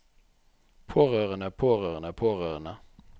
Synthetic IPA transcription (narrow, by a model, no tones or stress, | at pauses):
pʰoːʁøːʁənəpʰoːʁøːʁənəpʰoːʁøːʁənə